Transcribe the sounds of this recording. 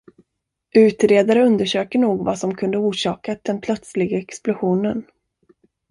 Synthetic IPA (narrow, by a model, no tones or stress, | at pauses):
ʔʉ̟ːt̪ɾeːd̪aɾəɵnd̪əʂøːkəɳuːɡvasɔmkʰɵnd̪əuːʂɑːkad̪ɛnpʰlœt̪slɪɡaɛksplʊɧuːnən